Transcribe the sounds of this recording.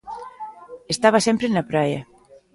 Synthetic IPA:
est̪aβɐsempɾenɐpɾajɐ

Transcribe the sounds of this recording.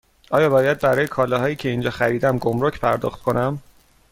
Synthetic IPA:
ʔɒːjɒːbɒːjæd̪̚bæɾɒːjekʰɒːlɒɦɒːjiːcʰeind͡ʒɒːxæɾiːd̪æmɡomɾocʰpʰæɾd̪ɒ̰xt̪̚kʰo̞næm

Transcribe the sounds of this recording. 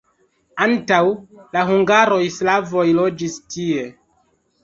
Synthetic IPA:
antawlaɦuŋɡaɾo̞jislavo̞jlo̞d͡ʒistʰie̞

